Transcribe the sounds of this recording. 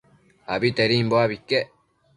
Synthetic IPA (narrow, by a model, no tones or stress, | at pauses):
aβit̪eɾiːmboaβikːe